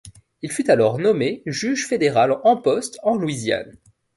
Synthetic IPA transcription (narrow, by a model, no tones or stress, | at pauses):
ilfyt̪alɔʁnɔmeʒyʒfed̪eʁalɑ̃pɔst̪ɑ̃lwizja̰n